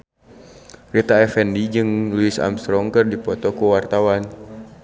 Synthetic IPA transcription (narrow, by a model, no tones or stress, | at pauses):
rit̪aɛfɛndid͡ʒɨŋluisa̰mst̪ɾɔŋkərdipɔt̪ɔkuwart̪awan